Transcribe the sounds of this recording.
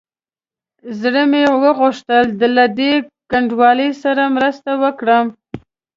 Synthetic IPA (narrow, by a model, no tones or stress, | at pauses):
zɽəmewəɣʊʂt̪əld̪əlad̪ekaɳɖwɑləsaɾamɾəst̪awəkɽəm